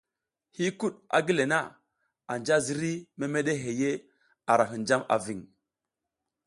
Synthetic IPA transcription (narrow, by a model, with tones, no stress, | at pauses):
hi˦ku˦ɗa̰˨ɡi˦le˨na˦ | a˨nd͡ʒa˦zi˦ɾi˦me˦me˦ɗe˦ɦe˨je˦ | a˨ɾa˨ɦi˨nd͡ʒa˦ma̰˨vi˨ŋ